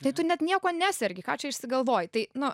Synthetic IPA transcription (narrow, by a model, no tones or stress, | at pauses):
t̪ɐɪt̪ʊnʲɛt̪nʲiɛkoːnʲæːsʲɛɾʲɡʲɪkɑːt͡ʃʲɛɪʃʲsʲɪɡɐlˠʋoːjt̪ɐɪnʊ